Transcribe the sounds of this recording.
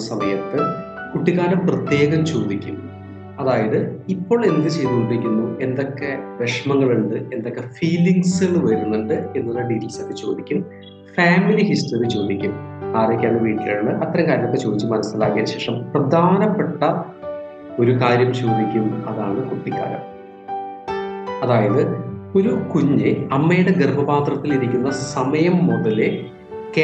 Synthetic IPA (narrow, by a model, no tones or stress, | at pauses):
sɐmɐjɐt̪ːɨ | kuʈːiɣaːɾɐmprɐt̪je̞ːɣɐmt͡ɕo̞ːd̪ikʲːum | ɐðaːjɐðɨipːo̞ːɭe̞nd̪ɨt͡ɕe̞jðukoɳɖiʋikʲːunːue̞nd̪o̞kːe̞ʋe̞ʂmɐŋːɐɭuɳɖɨe̞nd̪o̞kːe̞fiːliŋɡsilʋɐɾunːɐɳɖɨe̞nːulːɐɖitilsɐk̪ːet͡ɕo̞ːd̪ikʲːum | faːmilihisʈɐrit͡ɕo̞ːd̪ikʲːumaːrɐjkʲːaːɳɐʋiːʈːilaːɳɨʔɐt̪ːɐɾɐmkaːɾjɐmokːet͡ɕoːd̪it͡ɕːɨmɐnɐsila̰ːkːijɐnɕe̞ːʂɐmprɐd̪ʱaːnɐpːe̞ʈːɐ | o̞ɾukaːɾjɐmt͡ɕoːd̪ikʲːumɐðaːɳɨkuʈːikʲːa̰ːɾɐ̰m | ɐðaːjɐðɨo̞ɾukuɲːɨɐmːejiɽeɡerbʱɐbaːt̪rɐt̪ːiliɾikʲːunːɐsɐmɐjɐmːoðɐle | ke